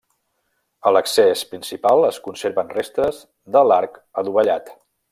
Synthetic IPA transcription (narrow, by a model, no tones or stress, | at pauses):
ələksɛspɾinsipalˠəskunseɾβənrest̪ɾəz | ðəlaɾkəðuβəʎat̪